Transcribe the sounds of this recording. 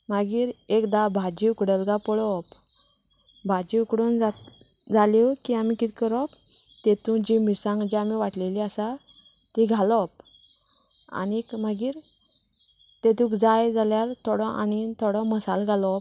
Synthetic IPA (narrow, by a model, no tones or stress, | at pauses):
maɡiːɾekd̪abʱad͡ʑiukɽəlɡapɔɽɔp | bʱad͡ʑiukɽond͡zat̪ | d͡zalɔkiamikit̪ikəɾɔpt̪et̪ũd͡ʑimisãŋɡd͡ʑiamiʋaʈleliasa | t̪iɡʱalɔp̚ | a̰nikmaɡiːɾ | t̪et̪̬ũkd͡zajd͡zaljaɾt̪ʰɔɽɔ̃ʔa̰nit̪ʰɔɽɔ̃məsalɡʱalɔp̚